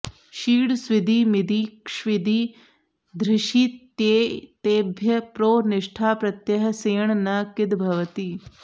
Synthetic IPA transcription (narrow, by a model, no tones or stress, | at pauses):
ʃiːɽsʋɪd̪ʱiːmɪd̪iːkʂʋɪd̪iː | d̪ɾɪʃiːt̪jeːt̪eːbʱjɐpɾoːnɪʂʈʰaːpɾɐt̪jɐɦɐ̆seːɳnaːkɪd̪bʱɐʋɐt̪iː